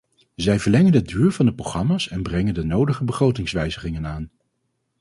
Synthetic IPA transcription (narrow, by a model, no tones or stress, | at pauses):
zɛjvəɹlɛŋənədyːɹvɑndəproχrɑmaːsɛnbrɛŋəndənowdəχəbəχrowtɪŋsʋɛjzəχɪŋənaːn